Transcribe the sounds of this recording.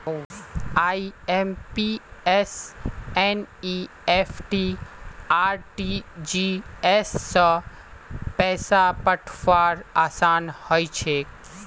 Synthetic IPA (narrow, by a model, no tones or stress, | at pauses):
aːiempieseni | epʰʈi | aːɾʈid͡ʒiesːə̃ | pɛːsapəʈʰʋaɾaːsaːnhojt͡ʃʰe